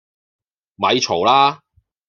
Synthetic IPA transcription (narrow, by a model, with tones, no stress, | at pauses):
mɐ˨˧jt͡ʃʰo˨˩wlaː˥